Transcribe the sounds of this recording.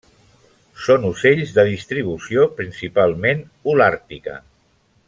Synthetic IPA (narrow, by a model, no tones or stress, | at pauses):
sonuseʎzðəðist̪ɾiβ̞usiopɾinsipalˠmen | ulaɾt̪ikə̰